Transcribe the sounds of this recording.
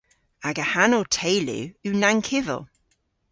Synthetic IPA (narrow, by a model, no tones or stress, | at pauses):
aɡəhanoːtʰeːlṵʉːnaŋkʰɪvə̰lˠ